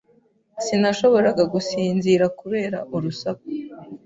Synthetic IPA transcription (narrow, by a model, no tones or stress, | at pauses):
sinaʃo̞βo̞ɾaɡaɡusiːnziɾakuβe̞ːɾa̰ʔuɾusako